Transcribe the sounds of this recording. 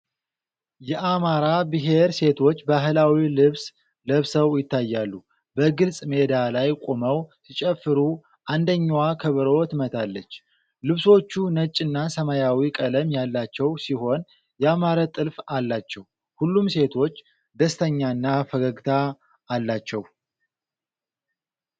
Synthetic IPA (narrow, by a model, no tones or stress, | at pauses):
jɛʔamaɾabɨɦe̞ɾse̞t̪ʰo̞t͡ʃːbaɦlawilɨβs | ləβsəwjɪt̪ːajːalːu | bəɡɨlsʼme̞d̪alajkʼoməwsit͡ʃʼɛfːɨɾu | ʔand̪əɲːwakʰəβɨɾot̪mət̪ʰalːət͡ʃː | lɨβso̞t͡ʃːunət͡ʃʼːɨnːasəmajawikʼələmjalːat͡ʃːɛwsiho̞n | jɛamaɾat̪ʼɨlfalːat͡ʃːɛw | hulːumse̞t̪ʰo̞t͡ʃː | d̪əst̪ʰəɲːanːafəɡəɡt̪ʰaː | lːat͡ʃːɛw